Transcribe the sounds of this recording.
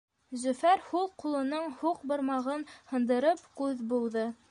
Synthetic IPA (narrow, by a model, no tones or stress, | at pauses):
zɵ̆fæɾhulˠqulˠɤ̆nɤɴhuq̚bŏɾmɑʁɤnhɤ̆nd̪ɤ̆ɾɤpkʉðbulˠðɤ